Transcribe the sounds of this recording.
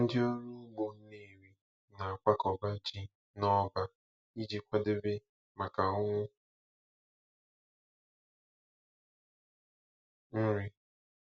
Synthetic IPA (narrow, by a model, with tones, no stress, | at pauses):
n̩˦dɪ˦o˦ɾʊ˦ɡ͡bo˨˦ne˦˨ɾi˦ | na˨a˨kʷa˦kɔ˨ba˦d͡ʒi˦ | nɔ˦ba˦ | i˦d͡ʒi˨kʷa˦dɪ˦bɪ˦ | ma˨ka˨ʊ˦ŋʷʊ˦ | ɾɪ˦